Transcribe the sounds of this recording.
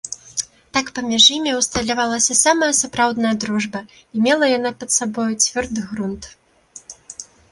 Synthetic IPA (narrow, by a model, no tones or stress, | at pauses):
t̪akpɐmʲiʐjimʲiwst̪ɐlʲavalˠɐsʲɐsamɐjɐsapɾawd̪nɐjɐd̪ɾuʐbɐ | imʲɛlˠɐjanapɐt̪sabɔjut͡sʲvʲɔrd̪ɨɣɾunt̪